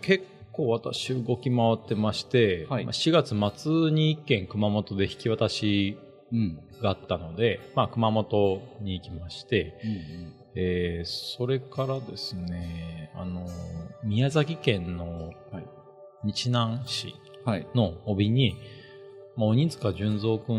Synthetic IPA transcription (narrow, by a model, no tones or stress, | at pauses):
ke̞kːo̞ːβat̪aɕiɯɡo̞kʲimaβat̪ːe̞maɕi̥t̪e̞ma̰ɕiɡat͡sɨmat͡sɨɲ̟iːkːẽ̞ŋkɯ̟mamo̞t̪o̞d̪e̞çi̥kʲiβat̪aɕi | ɡ̥aːt̪ːano̞d̪e̞makɯ̟mamo̞t̪o̞ɲ̟iːkʲimaɕi̥t̪e̞ | esso̞ɾe̞kaɾad̪e̞sɨne̞a̰no̞mʲiazakʲikẽ̞nːo̞ | ɲ̟it͡ɕinãɰ̃ɕḭ | no̞obʲiɲ̟i | maoɲ̟ĩnzɨ̥kaaʑɨ̃nzo̞ːkɯ̟̃